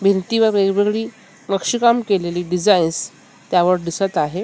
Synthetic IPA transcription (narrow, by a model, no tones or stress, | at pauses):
bʱint̪iʋəɾʋeɡʋeɡɭiː | nəkʂikamkeleliːɖid͡zains | t̪jaʋəɾɖisət̪aɦe